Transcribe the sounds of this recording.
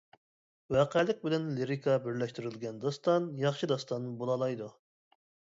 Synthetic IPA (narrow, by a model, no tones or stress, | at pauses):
wɛqʰælɪk̚ʲbɪlɛnleɾikʰɑbɪɾlɛʃt̪yɾylɡʲɛnd̪ɑst̪ɑnjɑχʃɨd̪ɑst̪ɑnːbolˠɑlˠɑjd̪u